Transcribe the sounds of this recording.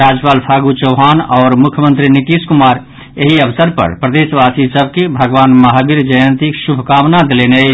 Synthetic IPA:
ɾaːd͡ʒpaːlpʰaɡut͡ʃəʊɦaːnɔːɾmʊkʰjəmə̃nt̪ɾiniʈiskumaːɾ | eɦiəʋsəɾpə̰ɾpɾəd̪eːʃʋaːsisəb̚kebʱəɡʋaːnmɐɦabiɾd͡ʒəjənt̪ikʃubʱkaːmnad̪elene

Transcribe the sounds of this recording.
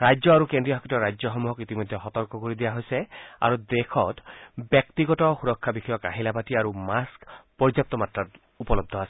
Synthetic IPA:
ɹajd͡ʒjɔaɾukendɹijɔɦɔkitɔɹajd͡ʒjɔxɔmuɦɔkit̪imɔjd̪ʱɛɦɔt̪ɔɹkɔkoɹid̪ijaɦojsɛa̰ɾud̪ekʰɔtbjɔk̚t̪iɡɔtɔxuɹɔkʰːabixʰɔjɔka̰ɦilapatiaɹumaskpɔɹd͡ʒap̚t̪ɔmatɹat | upɔlɔb̚d̪ʱɔasɛ̥

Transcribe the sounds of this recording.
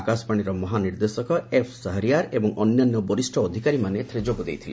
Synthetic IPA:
akasɔ̥paɽ̃iɾɔmɔɦaniɾd̪esɔkɔepʰsaɦɾiaɾebɔŋɔnjanːɔbɔɾisʈʰɔːd̪ʱikaɾimanet̪ʰɾed͡ʒoɡud̪ejt̪ʰile

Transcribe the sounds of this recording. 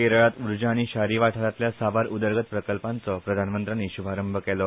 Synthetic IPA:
eɾɭat̪uɾd͡ʑaːɽ̃iɕaɾiʋaʈʰəɾat̪ljasaʋaɾʔud̪əɾɡʱət̪̚pɾəkəlpãnt͡sɔpɾəd̪ʱanmənt̪ɾaniɕubʱaɾəmbʱəkɛlɔ

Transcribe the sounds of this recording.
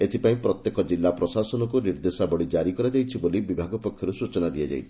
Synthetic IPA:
et̪ʰipaĩpɾɔt̪jekɔd͡ʒilːapɾɔsasɔnɔk̬uniɾd̪esabɔɽid͡ʒaɾikɔɾad͡ʒajt͡ʃʰibolibibʱaɡɔpɔkʰjɔɾusut͡ʃɔnad̪iad͡ʒa̰jt̪ʰii̥

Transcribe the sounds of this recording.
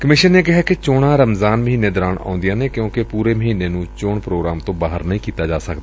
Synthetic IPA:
kəmɪʃənːeːkɪɦaːkɪt͡ʃoːɽãːɾəmzaːnməɦiːneːd̪ɔɾaːɳa̰ːʊnd̪ijãːneːkjõːkɪpuːɾeːməɦiːneːnũːt͡ʃoːɳpɾoːɡɾaːmt̪õːbaːɦə̰ɾnəĩːkiːt̪aːd͡ʒaːsəkd̪aː

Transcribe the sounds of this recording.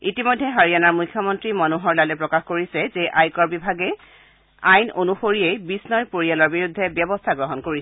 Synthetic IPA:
itimojdʱːɛɦaɹijanaɹmujkʰːjɔmɔntɹimɔnuɦɔɹlalɛpɹɔkaxkoɹisɛzeʔajkɔɹbibʱaɡɛ | ajnonuxoɹiejbisnɔjpoɹijalɔɹbiɹud̪ʱːɛbjɔbɔst̪ʰaɡɹɔɦɔnkoɹisɛ

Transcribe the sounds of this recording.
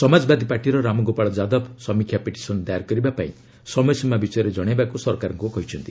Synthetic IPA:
sɔmad͡ʒɔbad̪ʱipaʈiɾɔɾamɔɡopaɭɔd͡ʒad̪ɔbsɔmikʰjapeʈi̥sɔnd̪ajaɾkɔɾibapaĩ | sɔmɔjɔsimabisɔjɔɾed͡ʒɔɽ̃ebakusɔɾkaɾɔŋkukɔɦit͡ʃʰɔnt̪i

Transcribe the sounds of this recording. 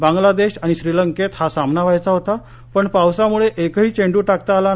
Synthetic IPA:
bãŋɡlad̪eɕaɽ̃iɕɾiləŋket̪hasamnaʋajt͡saɦot̪a | pəɳpawsamuɭeʔekɦiːt͡ɕeɳɖuːʈakt̪aːla

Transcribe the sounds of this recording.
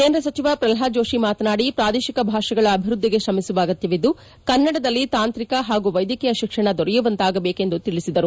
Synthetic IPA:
keːnd̪ɾɐsɐt͡ʃiʋɐpɾɐlɦaːd͡ʒo̞ːʃimaːt̪ɐnaːɽipɾaːd̪eːʃikɐbʱaːʃɐɡɐɭɐːbʱiɾud̪ːiɡe̞ʃɾɐmisuʋaːɡɐt̪jɐʋid̪ːu | kɐnːɐɽɐd̪ɐlːit̪aːnt̪ɾikɐɦaːɡuʋɐjd̪jɐkɛjɐʃikʂɐɳɐd̪ɔɾɛjuʋɐnt̪aːɡɐbeːke̞nd̪ut̪iɭisid̪ɐɾu

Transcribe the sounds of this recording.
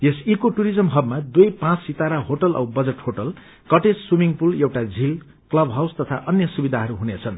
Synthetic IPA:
jesikoʈuɾid͡zʌmɦʌbmad̪ujpãt͡ssit̪aɾaɦoʈʌlʔʌ̰wbʌd͡zeʈhoʈʌl | kʌʈesswimiŋpulewʈad͡zʱil | klʌbɦawst̪ʌt̪ʰaʔʌnjʌsubid̪ʱaɦʌɾuɦunet͡sʰʌn

